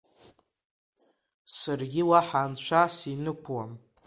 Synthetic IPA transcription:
sarɡʲɪwaħaːnt͡ʃʷʰasinɨkʷʰwam

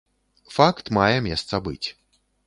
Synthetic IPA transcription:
fakt̪majɛmʲjɛst̪sɐbɨ̰t͡sʲ

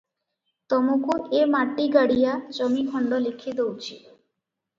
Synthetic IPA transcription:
t̪ɔmukuʔemaʈːiɡaɽijad͡ʒɔmikʰɔɳɖɔlekʰid̪owt͡ɕʰi

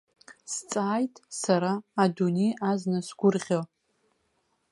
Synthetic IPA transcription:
st͡sʼaːjtʼsaɾaːdunejaznasɡ̥ʷʊrʁʲo

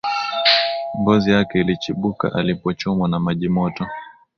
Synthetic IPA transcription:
mbɔzijakɛilit͡ʃiɓuka̰ʔalipɔt͡ʃɔmwanamaʄimɔtɔ

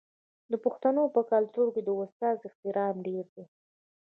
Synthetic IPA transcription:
d̪əpʊxt̪anopəkalt̪uɾked̪əost̪ɑzɪxt̪ɪɾɑmɖeɾd̪e

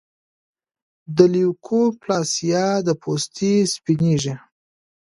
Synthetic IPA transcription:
d̪əliwkʰoplɑsijɑd̪əpʰost̪ʰispiniʒi

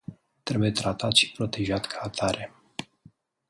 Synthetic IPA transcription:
t̪ɾe̞buje̞t̪ɾat̪at̪ʃi̥pɾo̞t̪e̞ʒat̪kʰaːt̪ʰaɾe̞

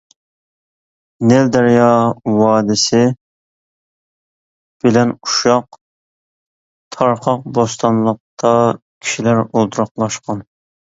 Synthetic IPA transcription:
nɪld̪æɾjɑwɑːd̪ɪsɪ | b̥ɪlɛnuʃɑq | t̪ʰɑɾqʰɑq̚bost̪ɑnlˠəq̚t̪ʰɑkʲʰi̥ʃilæɾolˠt̪ʰuɾɑqlˠɑʃqɑn

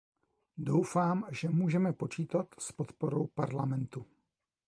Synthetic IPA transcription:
do̞wfaːmʒɛmuːʒɛmɛpo̞t͡ʃiːt̪at̪spo̞t̪poɾowpaɾlamɛnt̪u

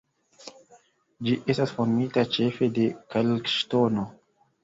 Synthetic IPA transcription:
d͡ʒiʔe̞stasfonmitat͡ʃe̞fe̞de̞kalkʃtono

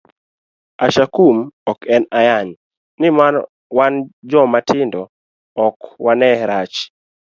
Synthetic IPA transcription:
aʃakumɔkɛnajaɲ | nɪman | wand͡ʒɔmatɪndɔ | ɔkwanɛɾat͡ʃ

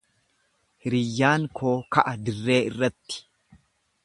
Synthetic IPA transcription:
hɪɾɪjːaːŋkʰo̞ːkɐʔɐd̪ɪrːe̞ːɪrːɐt̪ːɪ̥

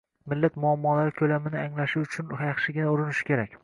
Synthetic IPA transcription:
mɪlːat̪mʊamːɒlaɾɪkʲʰɵlamɪnɪaŋlaʃɪʊt͡ʃʰʊnjɑχʃɪɡʲɪnaʊɾɪnɪʃɪ̥kʲe̞ɾakʲ

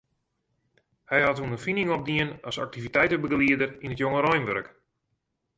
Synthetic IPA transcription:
hɛjhatunənfinɪŋɔp̚diənasa̰k̚tivitɛjtəbəɡliədərinətjoŋəɾɔjnʋøɾək

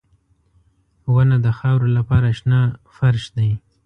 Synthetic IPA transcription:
wanad̪əxɑwɾolapɑɾaʃnɑfaɾʃd̪aj

